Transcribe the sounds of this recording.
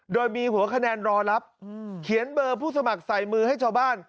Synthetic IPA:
doː˧jmiː˧hu˨˩˦ɐkʰa˧nɛː˧nɾɔː˧la˦˥p̚kʰi˩˦ənbɤː˧pʰuː˥˩sa˧ma˨˩k̚sa˨˩jmɯː˧ha˥˩jt͡ɕʰaː˧wbaː˥˩n

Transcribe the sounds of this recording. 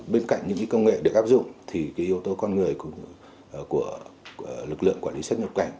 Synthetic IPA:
ɓe˧nka̰˧˨jŋɲɨ̰˧˥ŋka˨˦kə˧wŋ͡mŋḛ˧˨ɗe˧˩ʔaː˦˥p̚zʊ̰˧˨ŋ͡mt̪ʰi˨˩kaː˨˦ʔi˧əwt̪o˧kɔ˧nŋɨ˨˩əjkŋ͡m | ku˧˩ə | lɨ˨˩k̚lɨ̰˧˨əŋkwaː˧˩li˨˦swa˦˥t̚ɲə˨˩k͡p̚ka˧˩jŋ̟

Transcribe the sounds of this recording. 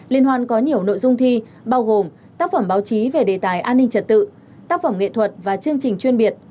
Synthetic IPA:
li˧ənɦwaː˧nkɔ˨˦ɲi˨˩əwno̰˧˨jzʊ˧ŋ͡mt̪ʰi˧ | ɓaː˧wɣo˨˩m | t̪aː˦˥k̚fə˧˩mɓaː˨˦wt͡ɕi˨˦ve˨˩ɗe˨˩t̪aː˨˩jʔaː˧nːï˧ŋ̟t͡ɕə˨˩t̚t̪ɨ̰˧˨ | t̪aː˦˥k̚fə˧˩mŋ͡mŋḛ˧˨t̪ʰwə˨˩t̚vaː˨˩t͡ɕɨ˧əŋt͡ɕï˨˩ŋ̟t͡ɕwi˧ənɓi˨˩ət̚

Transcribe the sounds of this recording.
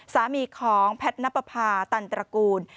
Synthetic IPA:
saː˨˩˦miː˧kʰɔː˩˦ŋpʰɛ˦˥t̪̚na˦˥pːa˧pʰaː˧t̪a˧˩nt̪ɾa˧kuː˧n

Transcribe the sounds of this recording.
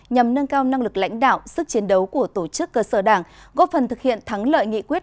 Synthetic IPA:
ɲa˨˩mnə˧nkaː˧wna˧ŋlɨ˨˩k̚la̰˧˥jŋ̟ɗa̰ː˧˨wsɨ˦˥k̚t͡ɕi˨˦ənɗə˨˦wku˧˩ət̪o˧˩t͡ɕɨ˦˥kːəː˧səː˧˩ɗaː˧˩ŋɣɔ˦˥fə˨˩nt̪ʰɨ˨˩k̚hḭ˧˨ənt̪ʰa˨˦ŋlə̰ː˧˨jŋḭ˧˨kwi˦˥ət̚

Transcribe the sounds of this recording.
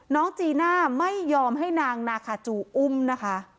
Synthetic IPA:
nɔː˦˥ŋt͡ɕiː˧naː˥˩ma˥˩jːɔː˧mɦa˥˩jnaː˧ŋnaː˧kʰaː˨˧˩t͡ɕuː˨˩ʔu˥˩mna˦˥kʰa˦˥ʔ

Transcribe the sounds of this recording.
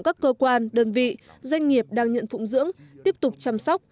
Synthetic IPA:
kaː˦˥kːəː˧kwaː˧nɗəː˧˩nvḭ˧˨ | zwa˧jŋ̟ŋi˨˩əp̚ɗaː˧ŋɲə̰˧˨nfʊ̰˧˥ŋ͡mzɨ̰˧˥əŋt̪i˦˥əp̚t̪ʊ˨˩k͡p̚t͡ɕa˧msɔ˦˥k͡p̚

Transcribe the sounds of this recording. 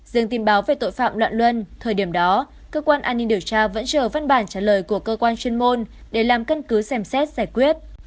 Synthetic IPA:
zɨ˨əŋt̪i˨˦nɓaː˨˦wve˨˩t̪o̰˧˨jfa̰ː˧˨mlwa̰ː˧˨nlwə˧nt̪ʰəː˨˩jɗi˧˩əmɗɔ˨˦ | kəː˧kwaː˧nʔaː˧nːi˧ŋɗi˨˧˩əwt͡ɕaː˧və̰˧˥nt͡ɕəː˧˩va˧nɓaː˧˩nt͡ɕaː˧˩ləː˨˩jku˧˩əkəː˧kwaː˧nt͡ɕwi˧ənmo˧nɗe˧˩laː˨˩mkə˧nkɨ˨˦sɛ˧msɛ˦˥t̚zaː˧˩jkwi˦˥ət̚

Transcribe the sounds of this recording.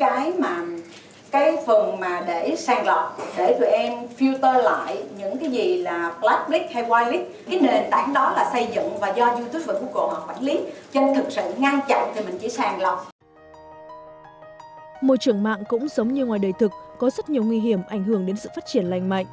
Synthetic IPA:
kaː˨˦jmaː˨˩ | kaː˨˦fɨ˨˩əŋmaː˨˩ɗe˧˩saː˧ŋlɔ˨˩t̚ɗe˧˩t̪ṵ˧˩əʔɛ˧mfi˧wt̪əː˧la̰ː˧˨jɲɨ̰˧˥ŋkaː˨˦jzi˨˩laː˨˩pla˦˥t̚li˦˥k̚ha˧jwaː˧jli˦˥k̚kaː˨˦jn˨˩˨e˨˩nt̪aː˧˩˦ŋɗɔ˨˦laː˨˩sə˧jzɨ̰˧˨ŋvaː˨˩zɔ˧zu˧t̪ʰu˦˥p̚və˨˩ku˧˩˦ko̰˧˩haː˨˩fwa˧˩˦nli˨˦t͡ɕə˧nt̪ʰɨ˨˩k̚sɨ̰˧˨ŋa˧ŋt͡ɕɔ̰˧˨ŋ͡mt̪ʰi˨˩mï˨˩ŋ̟t͡ɕḭ˧˥˦saː˧ŋlɔ˨˩wŋ͡m | mo̰˧˨t͡ɕɨ˨˧˩əŋma̰ː˧˨ŋkʊ̰˧˥ŋ͡mzə˨˦wŋ͡mɲɨ˧ŋwaː˨˩jɗəː˨˩jt̪ʰɨ˨˩k̚ːɔ˨˦zə˦˥t̚ɲi˨˩əwŋwi˧ɦi˧˩əmʔa˧˩jŋ̟ɦɨ˧˩əŋɗe˨˦nsɨ̰˧˨faː˦˥t̚t͡ɕi˧˩ənla̰˧˨jŋ̟ma̰˧˨jŋ̟

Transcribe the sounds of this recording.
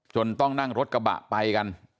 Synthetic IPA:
t͡ɕo˧nt̪ɔ˥˩ŋna˥˩ŋɾo˦˥t̪̚ka˧ba̰˨˩ʔpa˧jka˧n

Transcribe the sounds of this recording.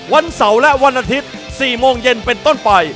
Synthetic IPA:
wa˧nsa˩˦wlɛ˦˥ʔwa˧nʔaː˧t̪ʰi˦˥t̪̚ | siː˨˩moː˧ŋje˧npe˧nt̪o˥˩npa˧j

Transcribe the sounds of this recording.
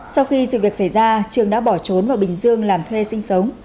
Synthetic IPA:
sa˧wxi˧sɨ̰˧˨vi˨˩ək̚sa˧˩jzaː˧t͡ɕɨ˨˩əŋɗa̰ː˧˥ɓɔ˧˩t͡ɕo˨˦nvaː˨˩wɓï˨˩ŋ̟zɨ˧əŋlaː˨˩mt̪ʰwe˧sï˧ŋ̟sə˨˦wŋ͡m

